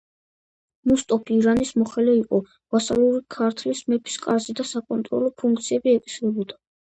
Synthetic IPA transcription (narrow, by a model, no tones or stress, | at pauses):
must̪ʼɔpʰiːɾanismɔχɛlɛiqʼɔ | vasalˠuɾikʰaɾt̪ʰlismɛpʰi̥skʼaɾzid̪asakʼɔnt̪ʼɾɔ̰lɔpʰuŋk̚ʰt̪sʰiɛbiɛkʼi̥sɾɛbɔd̪a